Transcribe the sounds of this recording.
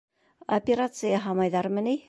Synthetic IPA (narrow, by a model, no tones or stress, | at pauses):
ɐpʲɪɾat̪sɨjɑɦɑmɑjðɑɾmɘ̆ni